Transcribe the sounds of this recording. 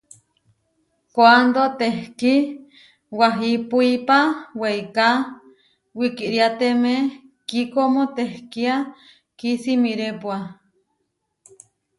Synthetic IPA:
kwand̪ot̪ehki | waɦipuipaweika | wikiʔɾiat̪eme | kikomot̪ehkia | kisimiɾepwa

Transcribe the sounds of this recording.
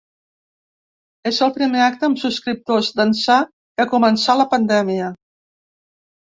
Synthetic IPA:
ezəlˠpɾimeak̚t̪əːmsuskɾip̚t̪ozd̪ənsa | kəkumənsaləpənd̪ɛmiə

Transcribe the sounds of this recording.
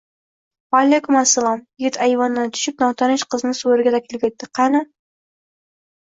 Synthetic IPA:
walekʲʊmasːalˠɒmjɪɡʲɪt̪ʰajvɒnd̪ant̪ʰʊ̥ʃɪp̚nɒwt̪ʰɑɾɪnʃqɨznɪsoɾɡʲad̪akʲʰɪlkʲʰet̪ːɪqʰɑnɪ

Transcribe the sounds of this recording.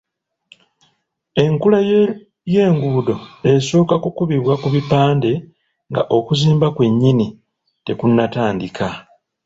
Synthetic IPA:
e̞ŋkula | je̞ːŋɡuːdo̞e̞so̞ːkakukuβiβwakuβipaːnde̞ | ŋɡaʔo̞kuziːmbakwe̞ɲːini | te̞kunːataːndikʰa

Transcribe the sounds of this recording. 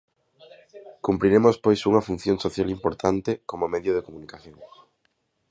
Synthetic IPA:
kumpɾiɾemospojsuŋɐfun̟θjoŋsoθjalimpoɾt̪ʰant̪ekomomeðjoðekomunikaθjõŋ

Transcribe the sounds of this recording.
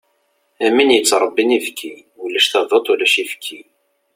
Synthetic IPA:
æminjət͡sːɾˤəbːinifkʰːi | wlːæʃθɑðˤot̪ˤulæʃifkʰːi

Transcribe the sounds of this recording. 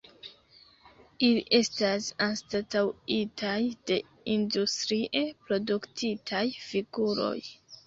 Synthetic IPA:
ilḭʔe̞stasanstatawitʰajd̥e̞ | industɾiʔepɾo̞duktʰitʰajfiɡ̥uɾo̞̰j

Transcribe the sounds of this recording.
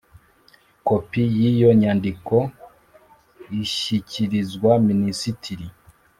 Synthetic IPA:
kopijijo̞ɲandiko | iʃiciɾizɡwaminisitʰiɾi

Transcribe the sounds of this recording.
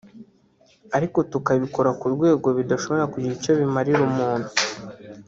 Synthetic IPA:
aɾiko̞tukaβiko̞ɾakuɾɡwe̞ːɡo̞βidaʃo̞βo̞ɾakuɟiico̞βimaɾiɾumuːnhu

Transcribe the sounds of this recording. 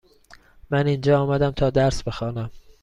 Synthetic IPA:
mænind͡ʒɒːɒːmæd̪æmt̪ʰɒːd̪æɾsb̥e̞xɒːnæm

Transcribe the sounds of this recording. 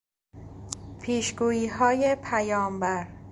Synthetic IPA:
pʰiːʃɡuːjiːɦɒːje̞pʰæjɒːmbæɾ

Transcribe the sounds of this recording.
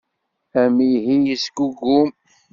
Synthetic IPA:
æmiɦijəsɡuɡum

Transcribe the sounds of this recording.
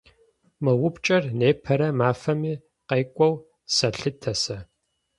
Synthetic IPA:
mɐwʊpt͡ʃʼɐrneːpʰɐɾɐmaːfɐmiː | qejkʷʼɔw | sɐɬɨtʰɐsɐ

